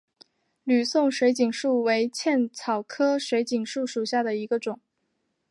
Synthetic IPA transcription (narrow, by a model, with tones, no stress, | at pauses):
ly˨˩sʊ˥˩ŋʂwe˧˥ɪt͡ɕi˨˩ŋʂu˥˩we˧˥ɪt͡ɕʰjɛ˥˩nt͡sʰɑ˨˩ʊkʰɤ˥ʂwe˧˥ɪt͡ɕi˨˩ŋʂu˥˩ʂu˨˩ɕja˥˩d̪ə˩i˧˥ɡə˧ʈ͡ʂʊ˨˩˦ŋ